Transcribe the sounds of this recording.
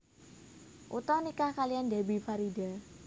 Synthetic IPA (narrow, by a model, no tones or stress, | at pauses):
ʔut̪ɔnikahkalijandebipaɾida